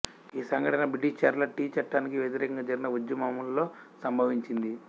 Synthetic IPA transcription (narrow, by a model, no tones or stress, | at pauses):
iːsɐŋɡɐʈɐnɐbiʈit͡ʃaːɾlɐʈiːt͡ʃɐʈːaːnikiʋjet̪̬iɾɛːkɐŋɡad͡ʒɐɾinɐud͡ʒːɐmɐmullo̞ː | sɐmbʱɐʋiɲt͡ʃind̪i